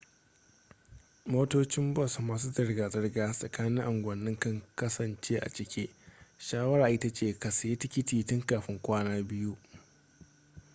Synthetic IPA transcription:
moː˦toː˦t͡ʃɪ˦mbɔ˦˨smaː˨s̬uː˦zɐ˨rɡaː˨zɐ˦rɡaː˦sʼɐ˨kaː˦nɪ˦ŋʔa˨ŋɡʷɐ˨nːɪ˦ŋkɐ˦ŋkɐ˦sɐ˨nt͡ʃeː˦ʔa̰˨t͡ʃɪ˦kʲeː˦ʃaː˦wɐ˦ɾaː˨ʔɪ˦ta˦t͡ʃeː˨ka˨sje˦t͡ʃɪ˦kʲɪ˦tiː˨tʊ˦ŋkaː˨ɸɪ˦ŋkʷaː˦naː˦bɪ˦ju˦ʔ

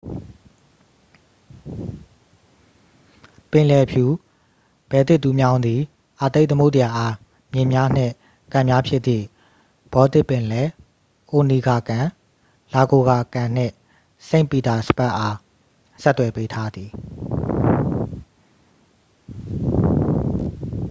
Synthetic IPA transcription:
pɪ̃˨lɛ˨pʰju˨ | b̥ɛ˨t̪ɪ˦ʔt̪ːu˨mjã˦ʊ̃nd̪i˨ | ʔa˨t̪e˦ɪʔt̪əmo˦ʊʔtja˨ʔa˦ | mjɪ̃˨mja˦n̥ɪ̰̃˦˨ | kã˨mja˦pʰjɪ˦t̪t̪ḭ˦˨ | b̥ɔ˨˦t̪ɪ˦ʔpːɪ̃˨lɛ˨ | ʔo˨ni˨ɡa˨kã˨ | la˨ɡo˨ɡa˨kã˨n̥ɪ̰̃˦˨ | sẽ˦ɪ̃mpi˨t̪a˨sə̥pa˦ʔa˦ | sɛ˦t̪ːwɛ˨pe˦tʰa˦d̪ði˨

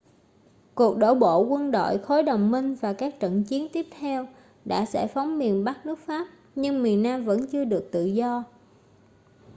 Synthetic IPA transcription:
ku˨˩ək̚ɗo̰˧˥ɓo̰˧˨kwə˧nɗo̰˧˨jxo˨˦jɗə˨˩wŋ͡mmï˧ŋ̟vaː˨˩kaː˦˥k̚t͡ɕə̰˧˨nt͡ɕi˨˦ənt̪i˦˥əp̚t̪ʰɛ˧w | ɗa̰ː˧˥sɛ̰˧˩fa˨˦wŋ͡mmi˨˩ənɓa˦˥k̚nɨ˦˥ək̚faː˦˥p̚ | ɲɨ˧ŋmi˨˩ənːaː˧mvə̰˧˥nt͡ɕɨ˧əɗɨ˨˩ək̚t̪ɨ̰˧˨zɔ˧

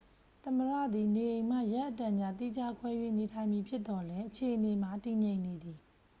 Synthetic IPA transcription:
t̪ə˨məɹa̰˦˨d̪i˨ne˨ʔẽ˨ɪ̃m̥a̰˦˨ja˦ʔətã˨d͡ʑa˦˨t̪ḭ˦˨d͡ʑa˦kʰwɛ˦jwḛ˦˨ne˨tʰã˨ɪ̃mji˨pʰjɪ˦t̪ːɔ˨lɛ˦ʔət͡ɕʰe˨ʔəne˨ma˨ti˨ɲẽ˨ɪ̃ne˨d̪i˨

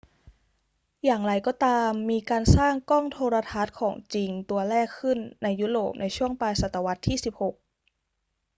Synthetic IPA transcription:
jaː˨˩ŋɾa˧jkɔː˥˩t̪aː˧mːiː˧kaː˧nsaː˥˩ŋkɔː˥˩ŋt̪ʰoː˧ɾa˧t̪ʰa˦˥t̪̚kʰɔː˩˦ŋt͡ɕi˧ŋt̪u˧ɐɾɛː˥˩kʰːɯ˥˩nːa˧jːuː˦˥ɾoː˨˩p̚nʔa˧jt͡ɕʰu˥˩əŋpaː˧jsa˨˩t̪ːa˧wa˦˥t̪ʰːiː˥˩si˨˩p̚ho˨˩k̚

